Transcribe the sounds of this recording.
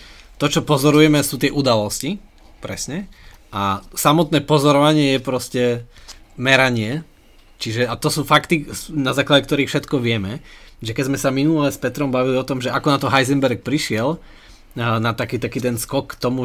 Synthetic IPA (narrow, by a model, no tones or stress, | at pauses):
t̪ɔt͡ʃɔpɔzɔɾujɛmɛsuːt̪ɪɛʔud̪alɔsci | pɾɛsɲɛasamɔt̪nɛːpɔzɔɾɔʋaɲɪɛjɛpɾɔscɛ | mɛɾaɲɪɛ | t͡ʃiʒɛat̪ɔsuːfakt̪inazaːklaɟɛkt̪ɔɾiːxfʃɛt̪kɔʋɪɛmɛʒɛkɛzmɛsaminulɛspɛt̪ɾɔmbaʋiliɔt̪ɔmʒɛʔakɔnat̪ɔɦajzɛmbɛɾk̚pɾiʃɪɛl | nat̪akiːt̪akiːt̪ɛnskɔkːt̪ɔmu